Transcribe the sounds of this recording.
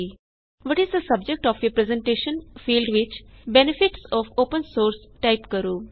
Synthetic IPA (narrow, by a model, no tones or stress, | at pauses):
ʋɔːʈɪzd̪əsʌb̚d͡ʒek̚ʈɔːfjoːpɾɛzẽɳʈeːʃə̃nfiːlɖʋɪt͡ʃbɛnɪfɪʈsɔːfoːpə̃nsoːɾsʈaɪpkəɾuː